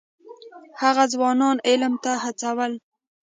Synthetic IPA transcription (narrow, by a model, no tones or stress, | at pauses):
haɣazwɑnɑnɪlmt̪ahat͡sawəl